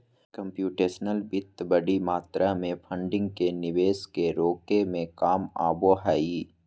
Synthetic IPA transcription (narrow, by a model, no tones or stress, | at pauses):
kə̃mpjuːʈeːʃnəlbɪt̪bəɽimaːt̪ɾʔamẽpʰə̃ɳɖɪ̃ŋɡ̚kenɪʋeːskeɾoːkemẽkaːma̰ːboɦaːiː